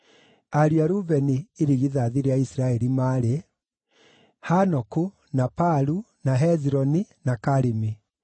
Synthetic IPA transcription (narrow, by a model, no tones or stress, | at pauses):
aɾiaɾuvɛniːɾiɣiðaðiɾeaisiɾaɛɾimaɾe | hanɔku | napaɾu | naɦɛziɾɔninakaɾimi